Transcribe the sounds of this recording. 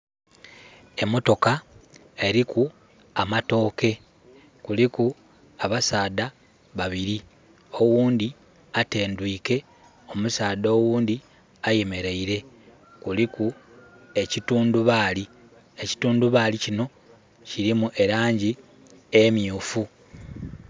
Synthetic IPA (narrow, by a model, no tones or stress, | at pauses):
e̞mo̞to̞ka | e̞ɾiku | amato̞ːke̞ | kuliku | aβasaːd̪a | βaβiɾi | o̞wuːnd̪i | ate̞ːndwiːke̞ | o̞musaːd̪oːwuːnd̪i | aje̞me̞ɾe̞iɾe̞ | kuliku | e̞cituːnduβaːli | e̞ci̥tuːnduβalicino̞ | ciɾimuʔe̞ɾaːɲɟi | emjuːfu